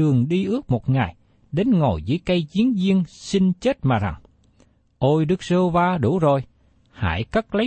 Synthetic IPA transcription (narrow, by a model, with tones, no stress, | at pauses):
ɨ˨˩əŋɗi˧ʔɨ˦˥ək̚mo˨˩t̚ŋa˨˩j | ɗe˨˦nŋo˨˩jzɨ̰˧˥əjka˧jzi˨˦ənzi˧əŋsi˧nt͡ɕe˦˥t̚maː˨˩za̰˨˩ŋ | ʔo˧jɗɨ˦˥k̚zəː˧wvaː˧ɗṵ˧˩zo˨˩j | ha̰ː˧˩˨jkə˦˥k̚lə˨˦